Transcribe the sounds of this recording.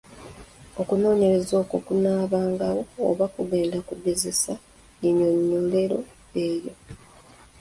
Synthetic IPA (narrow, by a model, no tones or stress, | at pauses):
o̞kuno̞ːɲe̞ɾe̞zo̞ːko̞kunaːβaːŋɡawo̞̰ːβakuβe̞ːndakube̞zesa | ɲiɲoɲːole̞ɾo̞ | eːjo̞